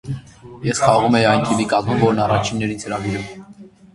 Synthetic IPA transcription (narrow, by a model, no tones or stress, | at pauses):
jɛsχɑʁumɛjiɑjnt̪ʰivikɑzmumvɔɾnɑrɑt͡ʃʰinːɛɾinhəɾɑviɾum